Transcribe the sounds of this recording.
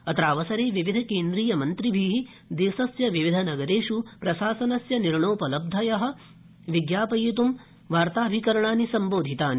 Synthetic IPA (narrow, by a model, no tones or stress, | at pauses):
ɐt̪ɾaːʋɐsɐɾeːʋiʋid̪ʱɐkeːnd̪ɾiːjɐmɐnt̪ɾibʱiːɦi | d̪eːsɐsjɐʋiʋid̪ʱɐnɐɡɐɾeːʂupɾɐʃaːsɐnɐsjɐniɾɳoːpɐlɐb̚d̪ʱɐjɐɦɐ̆ | ʋiɡjaːpɐjit̪um | ʋaːɾt̪aːbʱikɐɾɐɳaːnisɐmboːd̪ʱit̪aːni